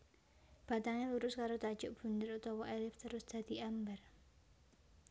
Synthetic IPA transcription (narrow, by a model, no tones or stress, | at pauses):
b̥at̪aŋaluɾʊskaɾot̪ḁd͡ʒʊʔb̥ṳnd̪ɪɾut̪ɔwɔʔɛlɪft̪əɾʊsd̪̥a̤d̪̥iʔambar